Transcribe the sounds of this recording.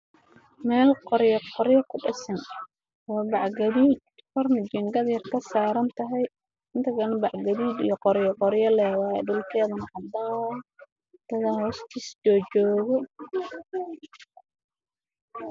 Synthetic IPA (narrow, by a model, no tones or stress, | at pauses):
mɛːlqɔɾjɐqɔɾjɐkʰʊɖɐsɐn | ɔːbɑʕɡɐðiːd̪ | fʰɐrmɐd͡ʒɪŋɡɐðjɐrkʰɐsaːɾɐnt̪ʰɐɦɛj | ʔɪnt̪ʰɐkɐnbɑʕɡɐβiːd̪ijɔqɔɾjɔqɔɾjɐlɛːwɑːjɛɖʊlkʰɛːðɐnɐhɐd̪aː | t̪ɐðɐhɔːst̪ʰiːsd͡ʒɔːt͡ʃɔːɣɔ